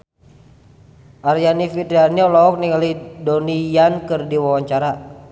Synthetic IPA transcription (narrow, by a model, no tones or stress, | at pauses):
ʔaɾjanifit̪ɾianiɔlɔɔk̚niŋalidɔnijankɨrdiwawaɲt͡ʃaɾa